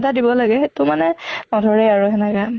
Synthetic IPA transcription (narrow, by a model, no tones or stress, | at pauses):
tadibɔlaɡɛtʊmanɛnɔdʱɔɹeaɹuɦɛnɛka